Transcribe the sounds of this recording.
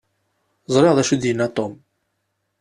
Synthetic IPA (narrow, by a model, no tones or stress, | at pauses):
zˤɾˤeʁðæʃud̪jənːæt̪ˤom